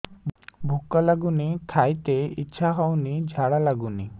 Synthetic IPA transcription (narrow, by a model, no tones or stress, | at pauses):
bʱukːɔlaɡunik̪ʰajt̪eḭtːʃʰaɦɔwnid͡ʒʱaɽalaɡuni